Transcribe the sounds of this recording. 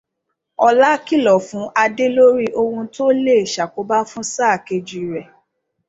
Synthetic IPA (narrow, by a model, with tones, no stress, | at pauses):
ɔ˧la˦ki˦˨lɔ˨fũ˨˦ʔa˧de˦lo˦ɾi˦ʔo˧hũ˧to˦le˦e˨ʃa˨ko˨˦ba˦fũ˦saː˦˨ke˧d͡ʒu˨i˨ɾɛ˨